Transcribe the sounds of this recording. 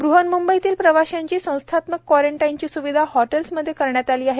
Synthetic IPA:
bɾuɦənmumbəit̪iːlpɾəʋaɕjaɲt͡ɕiːsə̃w̃st̪ʰat̪məkkːwɔɾeɳʈajnt͡ɕiːsuʋid̪ʱahɔʈelsməd̪ʱːjekəɾɳjat̪aliːaɦe

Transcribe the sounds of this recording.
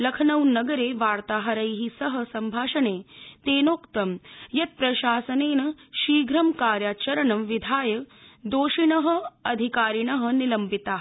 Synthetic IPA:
lɐkʰnɐwnɐɡɐɾeːʋaːɾt̪aːɦɐɾɐjɦisɐɦɐ̆sɐmbʱaːʂɐɳeːt̪eːnoːkt̪ɐmjɐt̪̚pɾɐʃaːsɐneːnɐʃiːɡɾɐmkaːɾjaːt͡ʃɐɾɐɳɐʋid̪ʱaːjɐd̪oːʃiɳɐɦɐ̆ɐd̪ʱikaːɾiɳɐɦɐ̆nilɐmpit̪aːɦ

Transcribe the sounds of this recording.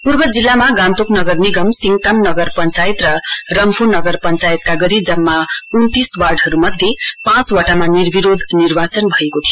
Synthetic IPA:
purbʌd͡zilːamaɡãnt̪uknʌɡʌrniɡʌmsiŋɡʈ̪amnʌɡʌrpʌnt͡sajt̪rʌrʌmpʰunʌɡʌrpʌnt͡sajt̪̚kaɡʌɾid͡zʌmːaunt̪iswarɖɦʌɾumʌd̪ʱjepãt͡swʌʈamanirbiɾod̪ʱnirbat͡sʌnbʱʌekot̪ʰijo

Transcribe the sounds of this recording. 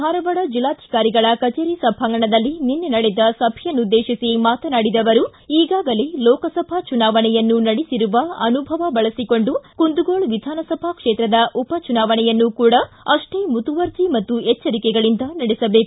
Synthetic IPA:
bʱaːɾɐʋɐɽɐd͡ʒilːaːd̪ʱi̥kaːɾiɡɐɭɐkɐt͡ʃeːɾisɐbʱɐŋɡɐɳɐd̪ɐlːininːenɐɽɛd̪ɐsɐbʱjɐnːud̪ːeːʃisimaːt̪ɐnaːɽid̪ɐʋɐɾuiːɡaːɡɐle̞lɔːkɐsɐbʱɐt͡ʃunaːʋɐɳɛjɐnːunɐɽisiɾuʋɐɐnubʱɐʋɐbɐɭɐsiko̞ɳɖukund̪uɡoːɭʋid̪ʱaːnɐsɐbʱɐkʂeːt̪ɾɐd̪ɐʔupɐt͡ʃunaːʋɐɳɛjɐnːukuːɽɐ | ɐʂʈeːmut̪uʋɐɾd͡ʒ̪imɐt̪ːuɛt͡ʃːɐɾikɛɡɐɭind̪ɐnɐɽɛsɐbe̞ːku

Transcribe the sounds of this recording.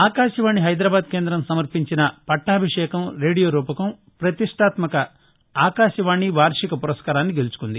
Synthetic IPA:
aːkaːʃɐʋaːɳiɦɐjd̪ɾɐbaːd̪̚ke̞ːnd̪ɾɐmsɐmɐɾpiɲt͡ʃinɐpɐʈːaːbʱiʂɛːkɐmɾe̞ːɽijoːɾuːpɐkɐm | pɾɐt̪iʂʈʰaːt̪mɐkɐ | aːkaːʃɐʋaːɳiʋaːɾʂikɐpuɾɐskaːɾaːnːiɡe̞lut͡ʃu̥kund̪i

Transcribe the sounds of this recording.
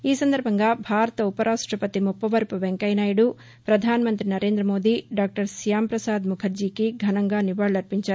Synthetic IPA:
iːsɐnd̪ʱɐɾbʱɐŋɡaːbʱaːɾɐt̪ɐupɐɾʔaːʂʈɾɐpɐt̪imupːɐʋɐɾpuʋeŋkɐjnaːjɐɽu | pɾɐd̪ʱaːnɐmɐnt̪ɾinɐɾe̞ːnd̪ɾɐmo̞ːd̪iɖaːk̚ʈɐɾsijaːmpɾɐsaːd̪mukʰɐɾd͡ʒiːkiɡʱɐnɐŋɡaːniʋaːɽlɐɾpiɲt͡ʃaːɾu

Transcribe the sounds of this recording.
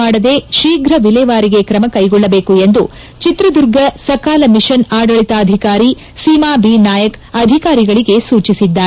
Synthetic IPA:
aːɽɐd̪e̞ːʃiːɡɾɐʋilɛːʋaːɾiɡe̞kɾɐmɐkɐjɡɔɭːɐbe̞ːkue̞nd̪u | t͡ʃit̪ɾɐd̪uɾɡɐsɐkaːlɐmiʃɐnaːɖɐɭit̪ɐːd̪ʱikaːɾi | siːmaːbiːnaːjɐkɐd̪ʱikaːɾiɡɐɭiɡe̞suːt͡ʃisid̪ːaː

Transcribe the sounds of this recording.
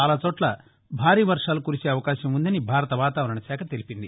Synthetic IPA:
aːlaːt͡ʃoːʈlɐ | bʱaːɾiːʋɐɾʂaːlukuɾiseːɐʋɐkaːʃɐmund̪ɐnibʱaːɾɐt̪ɐʋaːt̪aːʋɐɾɐɳɐʃɛːkʰɐt̪elipind̪i

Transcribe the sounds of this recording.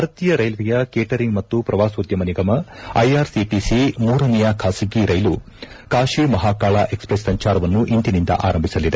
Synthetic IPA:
bʱɐɾɐt̪ijɐɾɐjlʋijɐkeːʈɐɾiŋɡmɐt̪ːupɾɐʋaːsoːd̪jɐmɐniɡɐmɐɐ̰jaːɾsiʈisimuːɾɐnɛjɐkʰaːsiɡiɾɐjlu | kaːʂimɐɦaːkaːɭaʔe̞kspɾesːɐɲt͡ʃaːɾɐʋɐnːuʔint̪inind̪ɐ̰ʔa̰ːɾɐmbʱisɐlid̪e

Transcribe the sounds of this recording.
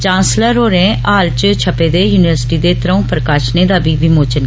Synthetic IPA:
t͡ʃãːnsləɾoːɾẽːaːlt͡ʃt͡ʃʰəpeːd̪eːjuːnɪʋəɾsʈiːd̪eːt̪ɾəũːpɾəkaːʃneːd̪aːbiːbimoːt͡ʃən

